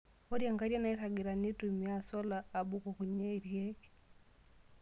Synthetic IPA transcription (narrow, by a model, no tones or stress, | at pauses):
ɔɾjaŋɡaɾjanaitaɡiɾanitumiasɔlaːɓukukuɲɛiɾjɛkɛ̥